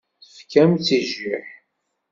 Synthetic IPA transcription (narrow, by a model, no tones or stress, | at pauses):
θəfkæmt͡sːiʒiħ